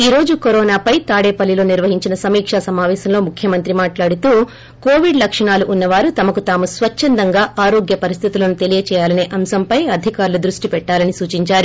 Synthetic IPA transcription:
iːɾo̞ːd͡ʒukoɾɔːnaːpɐjt̪aːɽeːpɐlːilo̞ːniɾʋɐɦiɲt͡ʃinɐsɐmiːkʂasɐmaːʋɛːsɐmlo̞ːmukʰjɐmɐnt̪ɾimaːʈlaːɽut̪uː | koːʋiɖlɐkʂɐɳaːluʔːnːɐʋaːɾut̪ɐmɐkut̪aːmusʋɐt͡ʃːɐnd̪ɐŋɡaːaːɾoːɡjɐpɐɾis̬t̪ʰit̪ulɐnut̪elijɐt͡ʃɛːjaːlɐne̞ːʔɐmsɐmpɐjɐd̪ʱikaːɾlud̪ɾuʂʈipɛʈːaːlɐnisuːt͡ʃiɲt͡ʃaːɾu

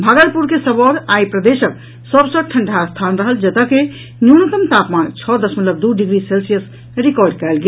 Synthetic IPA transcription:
bʱaɡəlpuɾkesəbɔɾajpɾəd̪esəb̚ | səbsəʈʰəɳɖʱast̪ʰanɾəɦəld͡ʒət̪əke | njunət̪əmt̪apmant͡ʃʰɔd̪əsmət̪ləb̚d̪uɖiɡɾiselsijəs | ɾikɔɾɖkɛlɡe

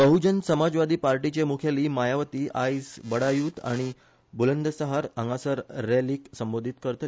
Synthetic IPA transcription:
bəɦud͡ʑənsəmad͡zʋad̪ʱiːpaɾʈit͡ɕemukʰjaliːmajaʋət̪iːʔajsbəɽajuːt̪a̰ɽ̃i | bulənd̪əsəɦaɾəŋɡasəɾːeliːksəmbod̪ʱit̪kəɾt̪ə

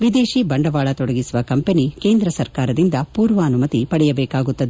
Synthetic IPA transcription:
ʋid̪eːʃibɐɳɖɐʋaːɭɐt̪ɔɽɐɡisuʋɐkɐmpenike̞ːnd̪ɾɐsɐɾkaːɾɐd̪ind̪ɐpuːɾʋɐːnumɐt̪ipɐɽɛjɐbɛːkaːɡut̪ːɐd̪e

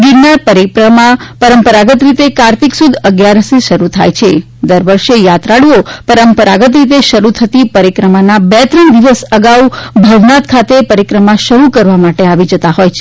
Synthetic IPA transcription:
ɡiɾnapəɾimapəɾəmpəɾaɡət̪ɾit̪ekaɾt̪iksud̪ʱəɡjaɾəsiʃəɾut̪ʰa̰jt͡ʃʰe | d̪əɾʋəɾʃejat̪ɾaɭopəɾəmpəɾaɡət̪̬ɾit̪eʃəɾut̪ʰət̪ipəɾikɾəmanabɛt̪ɾənd̪iʋəsəɡaubʱəʋnat̪kʰat̪epəɾikɾəmaʃəɾukəɾʋamaʈeaʋid͡ʒət̪aɦojt͡ʃʰe

